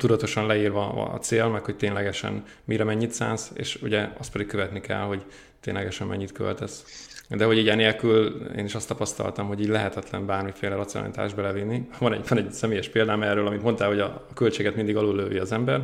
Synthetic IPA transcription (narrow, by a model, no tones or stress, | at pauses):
t̪ud̪ɒt̪o̞ʃɒnlɛiːrvɒɒ̰ːt̪seːlmɛkho̞c̚t̪eːnlɛɡɛʃɛ̰n | miɾɛmɛɲːit̪sa̰ːnsḛːʃuɟɛɒst̪̚pɛd̪ikkøvɛt̪nikɛ̰lho̞ɟ | t̪ḛːnlɛɡɛʃɛmmɛ̰ɲːit̪kø̰lt̪ɛsd̪ɛɦo̞ɟiɟɛneːlkylḛːniʃɒst̪ɒpɒst̪ɒ̰lt̪ɒmɦo̞ɟiːɟlɛɦɛt̪ɛt̪lɛ̰mbaːrmifeːlɛɾɒt̪sḭo̰n̰lḭt̪a̰ːʒbɛlɛvinːivɒnɛɟvɒnɛɟsɛmeːjɛʃpeːld̪aːmɛːrːøːlɒmit̪mo̞nt̪aːlho̞ɟɒ̰kølt͡ʃeːɡɛt̪mind̪iɡɒloːlːøːviɒzɛmbɛr